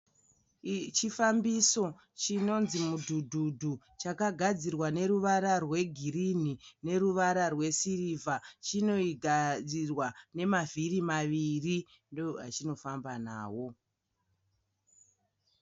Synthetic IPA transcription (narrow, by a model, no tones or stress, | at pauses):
t͡ʃifambiso̞ | t͡ʃino̞nzimudʱudʱudʱu | t͡ʃakaɡʱad͡zirwane̞ɾuʋaɾarwe̞ɡʱiɾin̤ine̞ruʋaɾarwe̞sirivʱat͡ʃino̞iɡʱad͡zirwane̞mavirimaʋiri | ndoɦa̰t͡ʃino̞fambana̰ːwo̞